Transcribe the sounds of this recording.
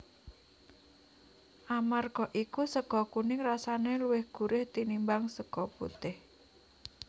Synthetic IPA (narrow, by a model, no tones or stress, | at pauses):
ʔamarɡ̥ɔʔikusəɡɔkunɪŋrasaneluwɪhɡ̥uɾʔɪht̪inimbaŋsəkɔpṵt̪ɪh